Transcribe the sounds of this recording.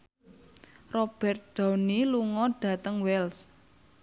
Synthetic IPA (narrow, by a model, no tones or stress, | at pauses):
rɔb̥ɛ̤rt̪̚d̪̥a̤wniluŋɔɖ̥a̤t̪əŋwɛls